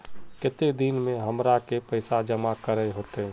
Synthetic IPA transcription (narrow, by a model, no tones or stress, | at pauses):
kɪt̪ed̪inmẽɦəmɾakepəɪsad͡ʒəmakəɾəɦoːt̪eɦɛ̃